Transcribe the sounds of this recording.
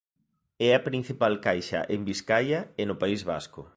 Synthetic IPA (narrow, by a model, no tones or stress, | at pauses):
ɛɐpɾin̟θipalkajʃɐ̰ʔembiskajɐenʊpaizβa̰skʊ